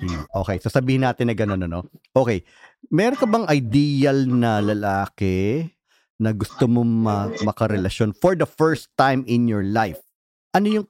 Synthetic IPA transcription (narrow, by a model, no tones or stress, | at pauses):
iʔo̞ːkɛjsaːsɐbiːhɪnːaːt̪ɪnɐɡɐnonɐno̰ʔo̞ːkɛj | mɛːɾonkɐbɐŋʔɐjd̪iːjɐlnɐlɐlaːkɛ | nɐɡʊst̪omomɐmɐkɐɾɛlɐʃjo̞nfɔɹd̪ɐfɛɹst̪ːãjmɪnjɔɹlajf | ʔɐno̞jʊŋ